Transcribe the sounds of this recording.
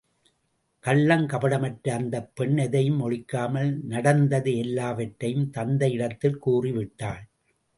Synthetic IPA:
kɐlːɐŋkɐpɐɽɐmɐʈɾɐɐnd̪ɐpːɛɳːɛðɐjɯmɔɻɪkːaːmɐlnɐɽɐnd̪ɐðɯɛlːaːʋɐʈːɐjɯmt̪ɐnd̪ɐjɪɽɐt̪ːɪlkuːriʋɪʈːaːɭ

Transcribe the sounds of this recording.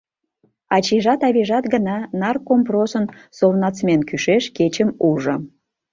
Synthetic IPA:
ɑt͡ɕiʒɑt̪ɑβiʒɑt̪ɡənɑnɑrkomprosənsolnɑt͡smʲenkyʃeʃket͡ɕəmuʒə̆

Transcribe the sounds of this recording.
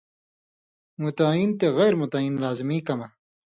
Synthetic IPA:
mut̪aːint̪eɣajɾmut̪aiːnlaːzimiːkɐma

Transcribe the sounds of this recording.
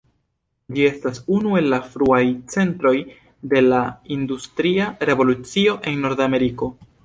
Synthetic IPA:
d͡ʒie̞stasunue̞lːafɾuajt͡se̞ntɾo̞j | de̞laindustɾiaɾe̞vo̞lut͡sio̞ʔe̞nːo̞ɾdame̞ɾiko̞

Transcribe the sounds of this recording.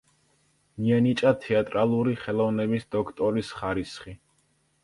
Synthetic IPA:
mianit͡ʃʼat̪ʰɛat̪ʼɾalˠuɾiχɛlˠɔvnɛbisd̪ɔkʰt̪ʼɔɾisχaɾisχi

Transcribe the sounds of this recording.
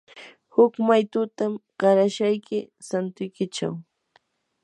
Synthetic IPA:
hʊkmajt̪ʊt̪amɢɑɾaʃajkɪ | sant̪ʊjkɪt͡ʃa̰w

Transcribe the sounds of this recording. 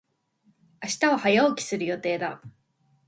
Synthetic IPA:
aɕi̥t̪ao̞hajaokʲi̥sɨɾɯ̟jo̞t̪e̞ːd̪a

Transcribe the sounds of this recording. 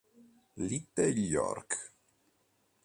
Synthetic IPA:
lit̪ːeljɔ̰rk

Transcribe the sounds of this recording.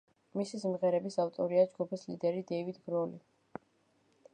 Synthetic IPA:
misismʁɛɾɛbisaft̪ʼɔɾiad͡ʒɡupʰislid̪ɛɾid̪ɛvid̪ɡɾɔli

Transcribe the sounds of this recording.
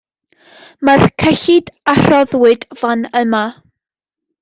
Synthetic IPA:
markʰəɬɪdarɔðwɪdv̥anəma

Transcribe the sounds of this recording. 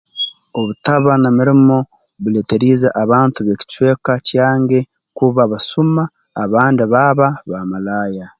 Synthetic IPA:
o̞βutaβanamiɾimo̞ | βule̞teɾiːzaʔaβaːntuβe̞ci̥cwe̞ːkacjaːŋɡe̞ | kuβaβasumaː | βaːndiβaβaβamalaːja

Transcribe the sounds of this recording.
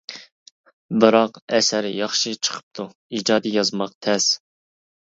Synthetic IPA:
bɨɾɑqɛsæɾɪjɑχʃɪt͡ʃʰə̥qʰə̥p̚t̪ʰu | id͡ʒɑːd̪ɨjɑzmɑq̚t̪ʰɛs

